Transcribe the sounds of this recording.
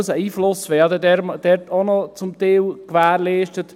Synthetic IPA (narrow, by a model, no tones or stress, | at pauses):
əsəiːflʊsʋɛːɑd̪ədɛɾmd̥̪ɛɾtonɔt͡sʊmt̪ɛːwkʋæːɾlɛːʃtət